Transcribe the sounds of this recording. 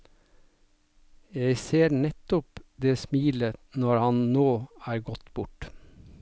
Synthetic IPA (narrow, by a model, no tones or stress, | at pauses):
jæɪseːɾnɛt̪ʊpd̪eːsmiːlənɔɹhɑnnoːæːɾɡɔt̪bʊʈ